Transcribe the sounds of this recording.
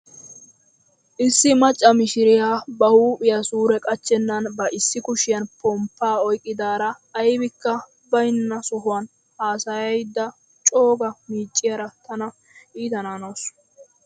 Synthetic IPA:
ʔɪsːɪmɐt͡ʃʼːɐmɪʃɪɾɪjaːbɐhuːpʼɪjɐsuːɾɛkʼɐt͡ʃːɛnːɐnbɐʔɪsːɪkʊʃɪjɐnpɔmpːaːɔjkʼːɪd̪aːɾɐː | jbɪkːɐ | bɐjnːɐsʊɦʊwɐn | haːsɐjɐjd̪ːɐ | t͡ʃʼo̞ːɡɐmiːt͡ʃʼːɪjɐɾɐt̪ɐnɐ | iːt̪ɐnaːnoːs

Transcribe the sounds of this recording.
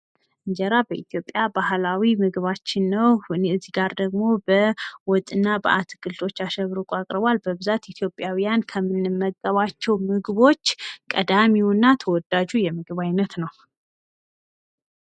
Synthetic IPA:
ʔɨɲd͡ʒɛɾabəʔit̪ʰjo̞pʼjabahlawimɨɡɨβat͡ʃːɪnːəwnɨzːiɡaɾd̪əɡmo̞bəwɔt̪ʼɨnːabəʔat̪ʰɨɡɨlt̪ʰo̞t͡ʃːaʃəβɾukʼakʼɾɨβalbəβɨzat̪it̪ʰjo̞pʼjawijankʰəmːɨnːɨmːəɡːəβat͡ʃːɛwmɨɡβo̞t͡ʃːkʼəd̪amiunːat̪ʰəwɔd̪ad͡ʒujɛmɨɡɨβajnət̪nəw

